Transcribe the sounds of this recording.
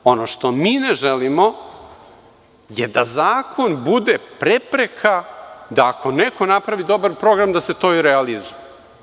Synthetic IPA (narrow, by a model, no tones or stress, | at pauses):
o̞noʃt̪o̞miːneʒelimo̞ | jed̪azaːkʰo̞nbud̪epɾepɾekʰad̪aːkʰo̞neko̞napɾaʋid̪o̞baɾpɾo̞ɡɾamd̪aset̪o̞iɾealizuje